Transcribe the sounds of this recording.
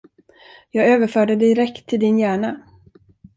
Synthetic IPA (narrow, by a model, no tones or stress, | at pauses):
jɑːɡøːvəɾfœːɖəd̪ɪɾɛkt̪ʰːɪld̪ɪnjæːɳa